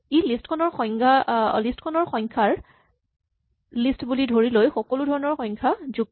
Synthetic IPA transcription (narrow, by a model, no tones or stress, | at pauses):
elistkʰɔnɔɹxɔjŋkʰalistkʰɔnɔɹxɔjŋkʰaɹ | listbulidʱoɹilojxɔkɔludʱɔɹɔnɔɹxɔjŋkʰazuɡ